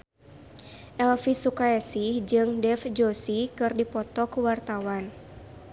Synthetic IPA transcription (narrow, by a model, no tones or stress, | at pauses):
ʔɛlfisukaɛsid͡ʒɨŋdɛfd͡ʒosikɨrdipɔt̪ɔkuwart̪awan